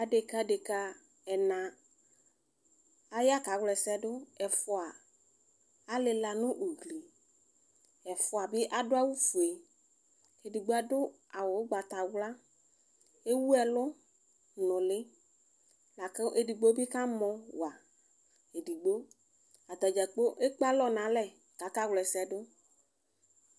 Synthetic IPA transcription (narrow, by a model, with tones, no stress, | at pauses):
a˨de˨ka˨de˨ka˦ | ɛ˨nã˨ | a˦ja˦ka˨˦wlɛ˨sɛ˦dʊ˦ɛ˨fʊ˨a˨ | a˦lɪ˨la˨nʊ̃˦ʔu˨ɡli˨ | ɛ˨fʊ˨˦a˨bɪ˦ʔa˦dʊ˦a˦wu˦fu˨e˨ | e˨di˨ɡ͡bo˦a˨dʊ˦ | a˨wo˨wɡ͡ba˨t̪a˨wla˦ | e˦wu˦ɛ˨lʊ˦ | nɔ̃˨lɪ˦ | la˨ke˦ʔe˨ɖi˨ɡ͡bo˦bi˦ka˦mɔ̃˨wa˨ | e˨ɖi˨ɡ͡bo˦ | a˨d̪a˨d͡ʒa˨k͡po˦ʔe˦k͡pa˦lɔ˦nã˨˦lɛ˨ | ka˨˦ka˦wlɛ˨sɛ˨ɖʊ˦